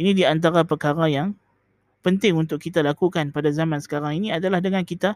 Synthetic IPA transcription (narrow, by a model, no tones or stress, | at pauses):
inidiant̪̬aɾapərkaɾajaŋ | pənt̪ɪŋunt̪ʊʔkːit̪alakukanpadazamãnsə̥kaɾaŋinĩadalahdəŋãnkit̪a